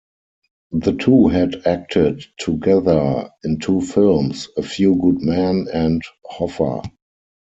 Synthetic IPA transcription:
ðətʰuːɦɛdæk̚tʰɪdtʰːuɡɛðə˞ɪ̃ntʰuːfɪlmsəfjuːɡʊdmæ̃nɛ̃nthɔfə̰˞

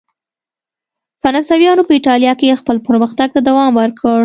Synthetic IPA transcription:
faɾɑnsawjɑnopəɪʈɑljɑkeexpəlpəɾməxt̪aɡ̚t̪ad̪awɑmwəɾkʰəɽ

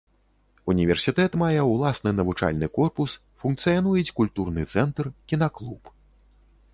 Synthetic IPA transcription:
unʲivʲɛrsʲit̪ɛt̪majɛwlˠasnɨnɐvut͡ʂa̰lʲnɨkɔrpus | funk̚t̪sɨjanujɛt͡sʲkulʲt̪urnɨt̪sɛnt̪rkʲinaklˠup

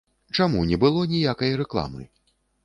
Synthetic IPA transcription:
t͡ʂamunʲɛbɨlˠɔnʲijakɐjɾɛklˠa̰mɨ̰

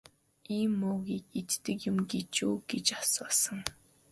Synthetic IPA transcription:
iːmːoːɣiːket̪t̪ɘ̆kjʊ̆mɡet͡ɕuːɡ̥et͡ɕḁsʊːsə̆ŋ

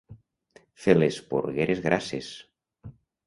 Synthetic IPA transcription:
felespo̰ɾɣeɾʔezɣɾʔases

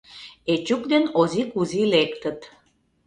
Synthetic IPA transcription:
et͡ɕuk̚d̪enozikuzilekt̪ət̪

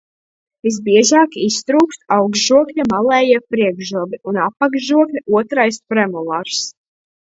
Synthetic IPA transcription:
vis̬biɛʒɑːkist̪ɾuːkst̪awɡʒuɔklʲamalˠɛːjiɛpɾiɛɡʒuɔbiunapːaɡʒuɔklʲauɔt̪ɾajspɾɛmulˠaɾs

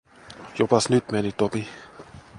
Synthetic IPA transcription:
jopɑsnyt̪menit̪opi

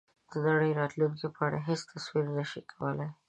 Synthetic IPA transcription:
d̪̥ənaɽəjɾɑt̪luŋkepəaɽa̰ɦest̪aswiɾnaʃikʰawəlaj

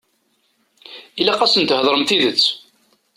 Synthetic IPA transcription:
ilæqɑsənt̪ɦðˤɾˤəmθiðət͡sː

